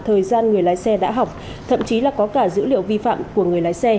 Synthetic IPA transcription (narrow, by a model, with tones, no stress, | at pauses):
t̪ʰəː˨˩jzaː˧nŋɨ˨˩əjlaː˨˦jsɛ˧ɗa̰ː˧˥ɦa˨˩wk͡p̚ | t̪ʰə̰˧˨mt͡ɕi˨˦laː˨˩kɔ˨˦kaː˧˩zɨ̰˧˥lḭ˧˨əwvi˧fa̰ː˧˨mku˧˩əŋɨ˨˩əjlaː˨˦jsɛ˧